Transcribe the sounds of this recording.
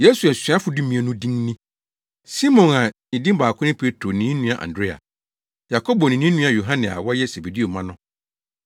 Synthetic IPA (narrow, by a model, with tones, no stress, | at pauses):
je˦su˨ɛ˨sĩ˨˦a˦fʊ˨dũ˦mĩ˨ɛ˨nũ˦dĩ˦n˦nĩ˦ | si˦mɔ̃˨nã˨nĩ˨dĩ˦m˦baː˨kʰʊ̃˦ɪ̃˦pʰe˦tʰɾo˨nĩ˨˦nũ˦a˨ʔã̰˨ndɾe˦a̰˨ | ja˨kʰo˦bɔ˨nĩ˨nĩ˦nũ˦ã˨jo˨ɦã˦nɪ̃˨a̰˨wɔ˦jɛ˦se˨be˨di˦o˨mã˦nʊ̃˦